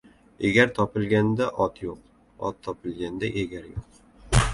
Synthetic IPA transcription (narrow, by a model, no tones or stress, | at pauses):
eɡʲaɾt̪ʰɒpɪlɡʲand̪aʔɒt̪ʰjoq̚ | ɒ̰t̪ʰːɒpʰɪlɡʲand̪aʔeɡʲaɾjoq